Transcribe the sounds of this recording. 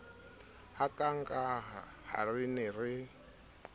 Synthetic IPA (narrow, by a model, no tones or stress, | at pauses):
hakʼaŋ̩kʼa | ha̰rinɪrɪ